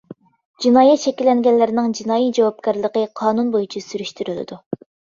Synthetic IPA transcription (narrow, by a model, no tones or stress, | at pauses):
d͡ʒinɑːjɛt̪t͡ʃʰɛkʲilːɛŋɡʲɛnlːɪɾɪnɪŋd͡ʒinɑːjid͡ʒɑwɑp̚kʲæɾlˠəqəqʰɑːnunbojut͡ʃʰisyɾyʃt̪yɾylɪ̰d̪u